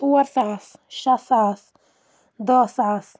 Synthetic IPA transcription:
uwɐɾsasʃasaːs | d̪ɔːsas

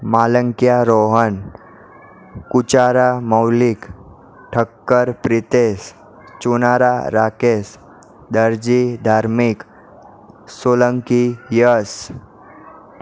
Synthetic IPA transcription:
maːləŋkijaɾoɦən | kut͡ʃaɾaməwlik | ʈʰəkːəɾpɾɪt̪eːs | t͡ʃunaːɾaɾaːkeːs | d̪əɾd͡ʒid̪ʱaːɾmik | soləŋkijəs

